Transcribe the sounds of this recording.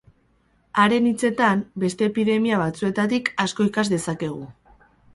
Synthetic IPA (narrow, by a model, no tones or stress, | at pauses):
aɾe̞nit͡se̞t̪ambe̞st̪e̞ːpiðe̞miaβ̞at͡sue̞t̪at̪ikasko̞ikazd̪e̞sake̞ɣ̞u